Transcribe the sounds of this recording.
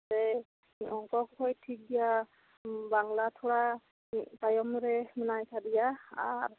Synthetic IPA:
tɛ | ɔŋkɔkkʰɔjtʰik̚dija | baŋlatʰɔɹa | pajɔmɹɛmɛnajkʰadijaa̰ɹ

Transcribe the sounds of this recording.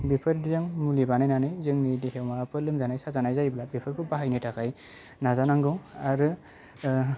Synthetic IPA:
bipʰɯɾdzɯŋmulibanajnanajzɯŋnidihewmapɯlɯmzanajsazanajzajblabipʰɯɾpʰɯbaɦajnɯtʰakʰaj | nazanaŋɡɯwaɾɯ

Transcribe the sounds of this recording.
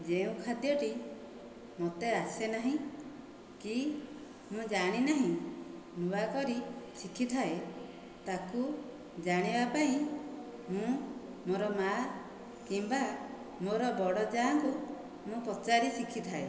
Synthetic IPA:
d͡ʒeũkʰad̪jɔʈi | mot̪easenaɦĩ | ki | mũd͡ʒaɽ̃inaɦĩ | mubakɔɾisikʰit̪ʰae | t̪aku | d͡ʒaɽ̃ibapaĩ | mũ | moɾɔma | kimba | moɾɔbɔɽɔd͡ʒaːŋku | mũpɾɔt͡ʃaɾisikʰit̪ʰae

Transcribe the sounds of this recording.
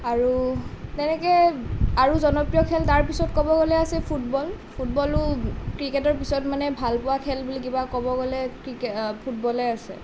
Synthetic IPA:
aɹutɛnɛkɛaɹuzɔnɔpɹijɔkʰɛltaɹpisɔtkɔbɔɡɔlɛasɛpʰutbɔlpʰutbɔlʊkɹiketɔɹpisɔtmanɛbʱalpʊwakʰɛlbulikibakɔbɔɡɔlɛkɹikpʰut̚bɔlɛasɛ̰

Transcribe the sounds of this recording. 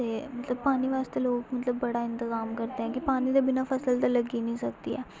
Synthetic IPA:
t̪eːmət̪ləbpaːniʋaːst̪eloːkmət̪ləbːəɽaːɪ̃nt̪ɪzaːmkəɾt̪eɦɛ̃ːkipaːnid̪abɪnaːpʰəsəlt̪aləɡinəĩːsəkd̪iːɛː

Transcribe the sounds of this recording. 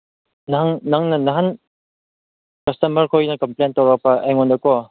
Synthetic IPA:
naŋnaŋnɐnaɦan | kɐstɐmɐɾkʰojnɐkɐmplentawɾak̚pɐʔeŋɔndɐkɔ

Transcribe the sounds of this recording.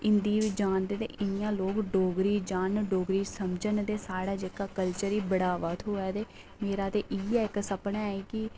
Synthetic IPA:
ɪnd̪iːʋid͡ʒaːnd̪eːt̪ḛːʔɪnɪjãːloːkɖoːɡɾiːd͡ʒaːnɖoːɡɾiːsəmd͡ʒənt̪eːsaːɽaːd͡ʒeːkaːkəlt͡ʃəɾiːbəɽaːʋaːt̪ʰɦoːɛːt̪eː | meːɾaːt̪eːʔiɛːɪksəpnaːiːkɪ

